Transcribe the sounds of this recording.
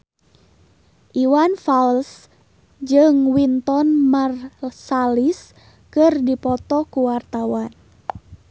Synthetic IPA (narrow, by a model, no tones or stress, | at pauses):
ʔiwanfals | d͡ʒɨŋwint̪ɔnmarsalis | kɨrdipɔt̪ɔkuwart̪awan